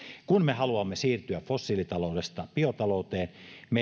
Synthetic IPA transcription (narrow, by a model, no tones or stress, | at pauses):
kunmehɑluɑmːesiːrt̪yæffosːiːlit̪ɑloˑudest̪ɑpiot̪ɑloˑut̪eːnme